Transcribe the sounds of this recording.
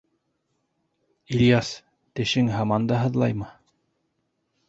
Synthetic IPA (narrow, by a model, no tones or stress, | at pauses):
ilʲjas | t̪ɘ̆ʃɘŋɦɑmɑnd̪ɑɦɤ̆ðlˠɑjmɤ